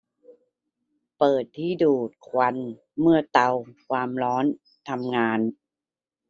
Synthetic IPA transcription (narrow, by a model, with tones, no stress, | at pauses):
pɤː˨˩t̪ʰːiː˥˩duː˨˩t̪̚kʰwa˧n | mɯ˥˩ɐt̪a˧wkʰwaː˧mɾɔː˦˥n | t̪ʰa˧mŋaː˧n